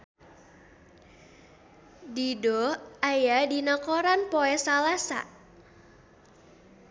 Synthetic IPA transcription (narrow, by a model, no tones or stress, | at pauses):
didɔajadinakoɾanpoɛsalasa̰